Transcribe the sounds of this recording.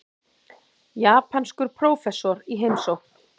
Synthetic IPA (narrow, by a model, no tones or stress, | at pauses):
jaːpʰanskʏɾ̥pʰɾoːwfɛsːɔɾiɦejmsowhkn